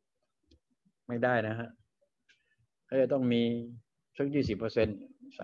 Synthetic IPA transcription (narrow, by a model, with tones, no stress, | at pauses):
ma˥˩jdaː˥˩jna˦˥kʰa˦˥ʔ | kʰa˧˥˩t͡ɕaː˧˩t̪ɔ˥˩ŋmiː˧ | t̪ʰɯ˦˥k̚jiː˥˩siː˨˩pɤː˧se˧nsa˧